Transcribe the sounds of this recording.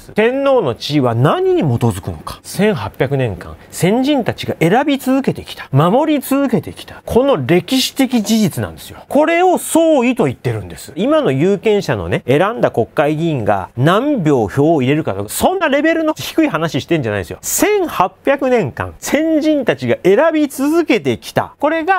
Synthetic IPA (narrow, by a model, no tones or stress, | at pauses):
sɨt̪ẽ̞nːo̞ːno̞t͡ɕiːβanaɲ̟iɲ̟imo̞t̪o̞zɨkɯ̟no̞̰kḁsẽ̞ɰ̃hapʲakɯ̟nẽ̞ŋkã̰ŋsẽ̞ɲ̟d͡ʑĩnt̪at͡ɕiɡaʔe̞ɾabʲit͡sɨzɨke̞t̪e̞kʲi̥t̪ʰḁmamo̞ɾʲit͡sɨzɨke̞t̪e̞kʲi̥t̪ḁkʰo̞no̞ɾe̞kʲiɕi̥t̪e̞kʲid͡ʑiʑit͡sɨnã̰nd̪e̞̥sɨjo̞ko̞ɾe̞oso̞ːit̪o̞it̪ːe̞ɾɯ̟̃nd̪esɨ̥imano̞jɯːkẽ̞ɰ̃ɕano̞̰ne̞e̞ɾãnd̪ako̞kːaiɡʲĩŋɡa̰nãmbʲo̞ːço̞ːiɾe̞ɾɯ̟kat̪okasõ̞nːaɾe̞be̞ɾɯ̟not̪eçi̥kɯ̟ihanaɕiɕi̥t̪e̞ɯ̃ɲ̟d͡ʑanaḭd̪esjo̰sẽ̞ɰ̃hapːʲjakɯ̟nẽ̞ŋkã̰sẽ̞ɲ̟d͡ʑĩnt̪at͡ɕiɡaʔe̞ɾabʲit͡sɨzɨke̞t̪e̞kʲi̥t̪a̰ko̞ɾe̞ɡa